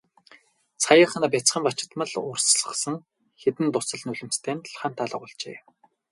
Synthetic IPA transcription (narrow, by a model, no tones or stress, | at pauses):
t͡sʰajə̆χanaːp̬ʲat͡sχə̆mpat͡ɕɪ̥̆t̪mə̆ɮʊrsɮə̥̆sə̆ŋ | xet̪ɘ̆nt̪ʊsə̆ɮnɵɮɘ̆mst̪ʰeːnt̪ɮχaːn̥t̪ʰːaɮə̆ʁʊɮt͡ɕḛː